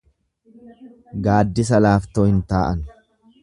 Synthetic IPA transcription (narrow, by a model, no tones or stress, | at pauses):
ɡaːd̪ːɪs̬ɐlaːft̪oːhɪnt̪aːʔɐn